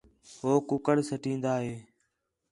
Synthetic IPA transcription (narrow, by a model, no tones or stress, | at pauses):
ɦoːkʊkəɽsəʈĩːnd̪aːɦeː